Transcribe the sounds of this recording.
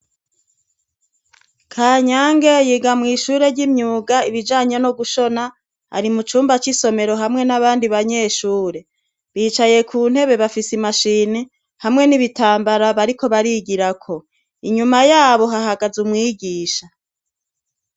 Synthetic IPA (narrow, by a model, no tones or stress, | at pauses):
kʰaːɲaːŋɡe̞jiːɡamŋiːʃuːɾe̞ɾɟimɲuːɡaiβid͡ʒaːɲe̞noɡuʃo̞na | a̰ɾimut͡ʃuːmbat͡ʃiso̞me̞ɾo̞ɦamŋe̞naβaːndiβaɲe̞ʃuːɾe̞ | βiːt͡ʃaje̞kʰuːn̥he̞βe̞βafisimaʃiːne | hamŋe̞niβitaːmbaɾaβaɾiko̞βaɾiɡiɾakʰo̞ | iɲumajaːβo̞ɦaɦaɡazumŋiːɡiːʃa